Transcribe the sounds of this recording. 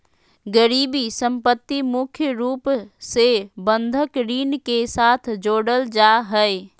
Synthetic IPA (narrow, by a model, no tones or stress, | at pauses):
ɡəɾibisə̃mpət̪ːimʊkʰjəɾuːpsebə̃nd̪ʱəkɾiːnkesat̪ʰd͡ʒoːɽəld͡ʒaɦəe